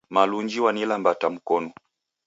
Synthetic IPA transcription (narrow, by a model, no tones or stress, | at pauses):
maluɲd͡ʒiwanilambatam̩kɔnu